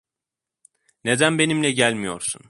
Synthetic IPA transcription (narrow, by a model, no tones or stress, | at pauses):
ne̞d̪ænbe̞nimlʲɛɟælʲmijo̞̰ɾsun